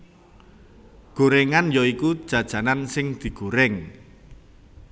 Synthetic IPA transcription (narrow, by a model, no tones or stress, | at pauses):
ɡ̥o̤ɾɛŋanjoikud̥ʒ̥ä̤d̥ʒ̥ä̤nansɪŋd̪̥i̤ɡ̥o̤ɾɛŋ